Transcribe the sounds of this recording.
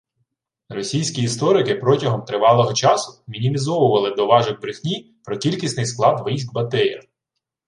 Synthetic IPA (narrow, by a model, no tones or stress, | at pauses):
rɔsʲijsʲkʲiːst̪ɔɾɪkɪpɾɔtʲɐɦɔmt̪ɾɪʋɑlˠɔɦɔt͡ʃɑsʊ̥mʲinʲimʲizɔʋʊʋɐlˠɪd̪ɔʋɑʒɪɣbɾɪxʲnʲi | pɾɔkʲilʲkʲisʲnɪjsklˠɑd̪ʋɪjʒɡbɐt̪ɛjʲɐ̰